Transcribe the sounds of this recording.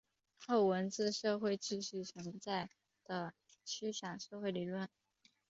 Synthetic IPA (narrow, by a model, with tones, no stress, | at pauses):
xo˥˩ʊwə˧˥nt͡sɹ̩˥˧ʂɤ˥˧xwe˥˧ɪʈ͡ʂɻ̩˥˧ɕy˥˩t͡sʰə˧˥nt͡sa˥˩ɪ | d̪̥ə˩ | t͡ɕʰy˥ɕjɑ˨˩ŋʂɤ˥˧xwe˥˩ɪli˨˩lwə˥˩n